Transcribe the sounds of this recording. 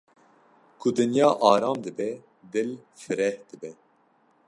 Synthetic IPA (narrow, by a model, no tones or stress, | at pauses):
kʰʊd̪ɨnjɑːʔɑːɾɑːmd̪ɨbɛ | d̪ɨl | fɨɾɛhd̪ɨbɛ